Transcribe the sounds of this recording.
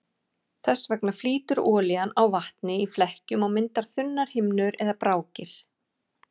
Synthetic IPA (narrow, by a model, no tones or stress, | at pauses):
θɛsːvɛknḁfliːt̪ʏɾɔːlɪanawvaht̪nɪiflɛhcʏmawmɪnt̪aɾ̥θʏnːaɾ̥hɪmnʏɾɛðapɾaːwcɪɾ̥